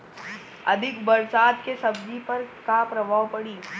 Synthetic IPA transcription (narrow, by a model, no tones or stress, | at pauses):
ɐd̪ʱɪkbɐɾsaːt̪kesɐbd͡ʒipɐɾkapɾɐbʱaːwpɐɽiː